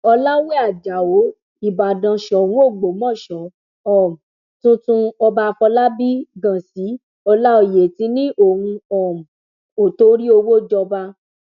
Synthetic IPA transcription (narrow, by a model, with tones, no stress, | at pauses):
ɔ˧la˦we˦a˨d͡ʒa˨o˨˦ | i˨ba˨dã˨ʃɔ˨hũ˦o˦˨ɡ͡bo˨mɔ̃˦˨ʃɔ̃˨˦ | ɔ̃˨m˨ | tũ˦tũ˧ɔ˧ba˧fɔ˧la˦bi˦ɡã˨si˨˦ | ɔ˧la˦o˧˨je˨ti˨˦nĩ˦ʔo˦˨hũ˧ɔ̃˨m˨ | o˨to˧˦ɾi˦o˧wo˦d͡ʒɔ˧ba˧